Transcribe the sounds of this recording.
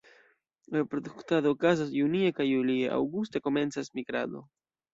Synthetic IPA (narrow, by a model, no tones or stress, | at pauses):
lapɾoduktado̞ːkazasjuniekajːulieʔa̰wɡuste̞ko̞me̞nt͡sasmiɡɾa̰do̞̰